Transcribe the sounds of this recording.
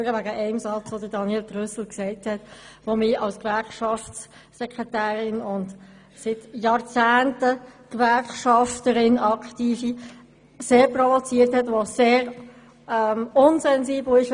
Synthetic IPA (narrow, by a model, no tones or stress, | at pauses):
ɾəʋæɡəʔɛɪmsɑt͡sʋod̥ədɑnjɛltʁʏsl̩ksɛɪthɛtʋomɪɑlskvæɾkʃɑft͡s | sɛkʁɛtæːɾɪnʊnt | sɪtjɑːɾt͡sæːntəkvæɾkʃɑftəɾɪnɑktiːfi | seːɾpʁɔvɔt͡siːəɾthɛtʋoseːɾ | ɛmʊnzɛnziːbl̩ɪʃ